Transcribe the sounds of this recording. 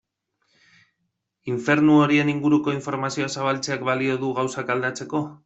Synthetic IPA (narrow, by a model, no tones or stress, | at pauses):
iɱfe̞ɾnuo̞ɾie̞niŋɡuɾuko̞iɱfo̞ɾmasioasaβ̞alt͡se̞akbalio̞ðuɣawsakald̪at͡se̞ko̞